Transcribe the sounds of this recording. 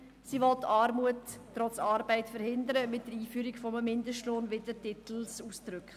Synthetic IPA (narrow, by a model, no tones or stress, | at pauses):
sivɔltːɑːɾmuətːɾɔt͡sɑːɾbæɪtfəɾhɪndəɾəmɪt̚d̥əɾiːfyːɾikfɔməmɪndəstloːnvɪdətɪtl̩suːsd̥ɾʏkχ